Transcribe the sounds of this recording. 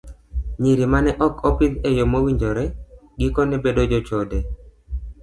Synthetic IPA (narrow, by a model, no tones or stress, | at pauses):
ɲiɾimanɛʔɔkɔpid̪ɛjɔmowiɲd͡ʒɔɾɛɡɪkɔnɛbedod͡ʒɔt͡ʃɔdɛ